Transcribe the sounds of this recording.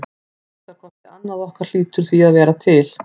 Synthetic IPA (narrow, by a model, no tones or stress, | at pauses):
ɛht̪ːakʰvɔht̪ɪanːaðɔhkaɾ̥l̥iːt̪ʏɾ̥θiaðvɛːɾat̪ʰɪl